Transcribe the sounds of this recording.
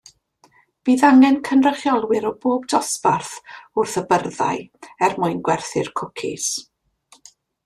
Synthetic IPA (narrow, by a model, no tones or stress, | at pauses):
b̥iːðaŋɛnkʰənrəχjɔlˠwɪɾɔboːbdɔsbarθʊrθəbərða̰jɛrmʊɨnɡwɛrθɪ̰rkʰʊkʰɪ̰s